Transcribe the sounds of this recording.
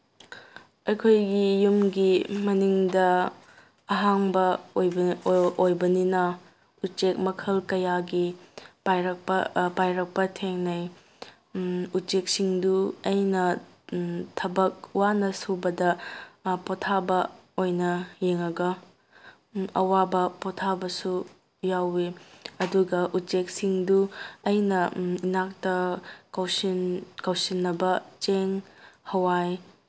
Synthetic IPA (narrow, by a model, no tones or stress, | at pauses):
ɐjkʰojɡijumɡimɐniŋdɐ | ɐɦaŋbɐjojbɐninɐ | ut͡ʃek̚mɐkʰɐlkɐjaɡipajɾɐk̚pɐpajɾɐk̚pɐtʰeŋnɐj | ut͡ʃek̚siŋduɐjnɐ | tʰɐbɐk̚wanɐsubɐdɐ | pɔtʰabɐojnɐjeŋɐɡɐ | ɐwabɐpɔtʰabɐsu | jaweɐduɡɐʔutt͡ʃek̚siŋduɐjnɐinak̚tɐkwskawsinːɐbɐt͡ʃeŋhɐwaj